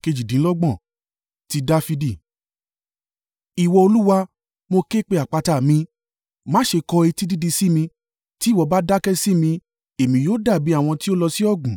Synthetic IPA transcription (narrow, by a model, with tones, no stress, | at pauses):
ke˧d͡ʒi˨dĩ˨˦lɔ˦ɡ͡bɔ̃˦˨ | ti˧da˦fi˧di˦˨ | i˨wɔ˧o˧lu˦wa˧ | mo˧ke˦k͡pe˧a˨k͡pa˧ta˨mĩ˧ | mãː˦ʃe˧kɔ˧i˧ti˦di˦di˧si˦mĩ˧ | ti˦˨wɔ˨˧ba˦da˦kɛ˦si˦mĩ˧ | e˨mĩ˨˦joː˦da˦˨bi˨˦a˦˨w̃ɔ̃˧ti˦o˦lɔ˧si˦ɔ˦˨ɡũ˨